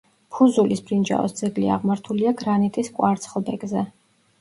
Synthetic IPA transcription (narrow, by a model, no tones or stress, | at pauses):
pʰuzulisbɾind͡ʒa̰ɔ̰sd̪zɛɡlia̰ʁmaɾt̪ʰuliaɡɾanit̪ʼiskʼwaɾt̪sʰχlˠbɛɡzɛ